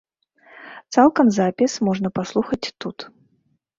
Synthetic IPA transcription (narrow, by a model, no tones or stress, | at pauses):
t̪salˠkɐmzapʲismɔʐnɐpaslˠuxɐt͡sʲt̪ut̪